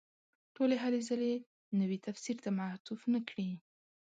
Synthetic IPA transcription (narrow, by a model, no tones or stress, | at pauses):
ʈoleɦalezale | nəwit̪afsiɾt̪amaht̪ufnakɽi